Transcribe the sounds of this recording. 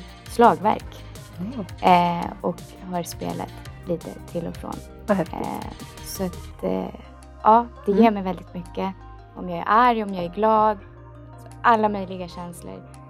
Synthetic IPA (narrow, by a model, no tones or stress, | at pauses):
slɑːɡvæ̰ɾk | ɔk | ɦɑɾspḛːla̰t̪liːt̪ə̰t̪ʰɪlːɔ̰fɾo̰ːn | sɔat̪ | ʔɑːd̪̥ɛjeːɾmɛjvɛld̪ɪt̪mʏkːə | ʔɔmjɑːɡæ̰ɾʔaɾjɔmjɑːæɾɡlɑːd̪ | asɔʔalːamœjlɪɡaɕɛnslə̰ɾ